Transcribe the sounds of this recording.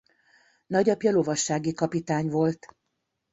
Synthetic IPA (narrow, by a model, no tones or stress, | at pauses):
nɒɟɒpjɒlo̞vɒʃːaːɡikɒpit̪aːɲvo̞lt̪